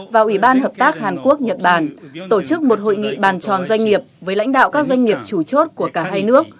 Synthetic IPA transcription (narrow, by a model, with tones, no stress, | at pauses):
vaː˨˩wʔi˧˩ɓaː˧nhəː˨˩p̚t̪aː˦˥k̚haː˨˩nku˦˥ək̚ɲə˨˩t̚ɓaː˧˩nt̪o˧˩t͡ɕɨ˦˥k̚mo˨˩t̚ho̰˧˨jŋḭ˧˨ɓaː˨˩nt͡ɕɔ˨˩nzwa˧ŋ̟ŋi˨˩əp̚vəː˨˦jla̰˧˥jŋ̟ɗa̰ː˧˨wkaː˦˥k̚zwa˧jŋ̟ŋi˨˩əp̚t͡ɕu˧˩t͡ɕo˦˥t̚ku˧˩əkaː˧˩ɦaː˧jnɨ˦˥ək̚